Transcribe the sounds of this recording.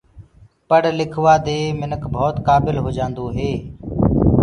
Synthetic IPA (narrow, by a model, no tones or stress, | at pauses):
pəɽlɪkʰʋaːd̪eːmɪnəkbʱoːt̪kaːbɪlɦoːd͡ʒãːnd̪oːɦeː